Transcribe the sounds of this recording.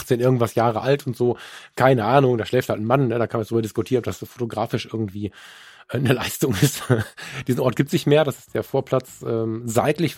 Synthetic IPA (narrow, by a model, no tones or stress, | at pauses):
χt͡seːnʔɪɐɡŋ̩tv̥asjaːʁəʔaltʊntz̥oːkʰaɪnəʔaːnʊŋdaːʃlɛːfthaltn̩manːədaːkʰanmand̥ʁyːbɐdɪskʊtʰiːɐnɔpd̥asfo̥toɡʁaːfɪʃʔɪɐɡŋ̩tv̥iː | ʔɛːnəlaɪstʊŋɪstd̥iːzn̩ʔɔɐtɡ̥iːp̚tszɪçtmeːɐɾasɪ̥std̥eːɐfoːɐpʰl̥at͡sʔɛːmzaɪtlɪç